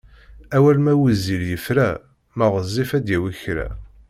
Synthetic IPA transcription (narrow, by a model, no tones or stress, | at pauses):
æwælmæwiziɾjəfɾæ | məʁəzˤːifæd̪jæwiçɾæ̰